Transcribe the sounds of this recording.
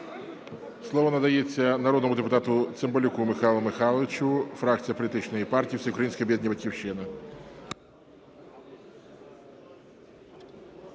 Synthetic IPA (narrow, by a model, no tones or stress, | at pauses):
slˠɔʋɔnɐd̪ɐjet͡sʲːɐnɐɾɔd̪nɔmʊd̪epʊt̪ɑt̪ʊt̪sembɔlʲʊkumɪxɑlˠɐmɪxɑlˠet͡ʃʊfɾɑk̚t͡sʲijɐpɔlʲit̪ɪt͡ʃnɔjipɑrtʲijiwsʲiʊukɾɐjinʲsʲkɔjbʲjʲed̪ʲnʲibɐtʲkʲiwʃɪnɪ